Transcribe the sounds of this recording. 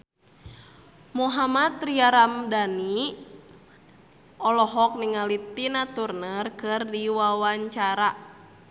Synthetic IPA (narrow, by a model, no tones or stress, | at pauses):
muɦamat̪riaɾamdani | ɔlɔɦɔk̚niŋalit̪inat̪urnərkɨrdiwawaɲt͡ʃaɾa